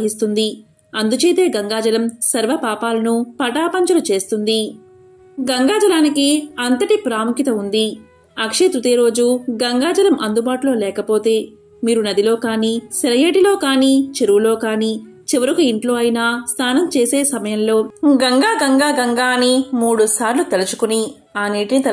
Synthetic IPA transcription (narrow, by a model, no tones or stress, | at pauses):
ɦist̪und̪i | ɐnd̪ut͡ʃeːt̪e̞ːɡɐŋɡaːd͡ʒɐlɐmsɐɾʋɐpaːpaːlɐnupɐʈaːpɐɲt͡ʃɐlut͡ʃeːst̪und̪i | ɡɐŋɡaːd͡ʒɐlaːnikiɐnt̪ɐʈipɾaːmukit̪ɐund̪i | ɐkʂet̪ɾut̪ijɐɾo̞ːd͡ʒuɡɐŋɡaːd͡ʒɐlɐmʔɐnd̪ubaːʈulo̞ːlɛːkɐpo̞ːt̪e̞ː | miːɾunɐd̪ilo̞ːkaːniːsɐɾɐjeːʈilo̞ːkaːniːt͡ʃeɾuwulo̞ːkaːniː | t͡ʃiʋɐɾukuiɳʈlo̞ːɐjinaːst̪ʰaːnɐmt͡ʃe̞ːse̞ːsɐmɐjɐmlo̞ːɡɐŋɡaːɡɐŋɡaːɡɐŋɡaːnimuːɽusaːɾlut̪elut͡ʃu̥kuni | aːniːʈinit̪ɐ